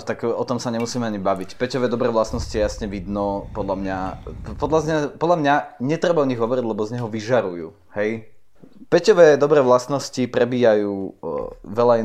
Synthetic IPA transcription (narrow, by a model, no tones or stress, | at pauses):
t̪akɔt̪ɔmsaɲɛmusiːmɛaɲibaʋicpɛcɔʋɛːd̪ɔbɾɛːʋlast̪nɔsciɛjasɲɛʋid̪nɔpɔd̪ʎamɲapɔd̪ʎazɲapɔd̪ʎamɲaɲɛt̪ɾɛbaɔɲiɣɦɔʋɔɾiɟlɛbɔzɲɛɦɔʋiʒaɾujṵː | hɛj | pɛcɔʋɛːd̪ɔbɾɛːʋlast̪nɔscipɾɛbiːjajuː | ʋɛʎai